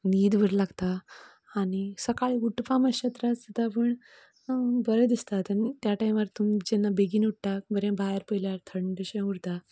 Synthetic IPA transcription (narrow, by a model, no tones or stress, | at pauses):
nid̪ʋʱəɾlaɡt̪aː | ɽisəkaɭiuʈpaməɕət̪ɾat͡sət̪apəɳ | bəɾəd̪ist̪at̪ənt̪jaʈajmʋəɾt̪umd͡ʑɛnːabeɡiːnuʈ̚t̪abəɾjãbʱaəɾpəjljaɾt̪ʰəɳɖəɕẽuɾt̪a